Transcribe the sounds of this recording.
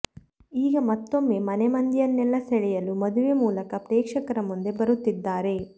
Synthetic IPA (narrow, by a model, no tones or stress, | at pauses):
iːɡɐmɐt̪ːo̞mːe̞ːmɐnemɐnd̪ijɐnːɛlːɐsɛɭɛjɐlumɐd̪uʋemuːlɐkɐpɾeːkʂɐkɐɾɐmund̪e̞bɐɾut̪ːid̪ːaːɾe̞